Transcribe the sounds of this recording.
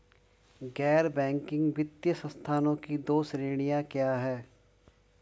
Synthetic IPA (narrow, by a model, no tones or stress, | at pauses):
ɡɛːɾbɛ̃ːŋkɪ̃ŋɡbɪt̪jəsə̃nst̪ʰaːnõkid̪oːsɾeːɽ̃ijakjaːɦɛː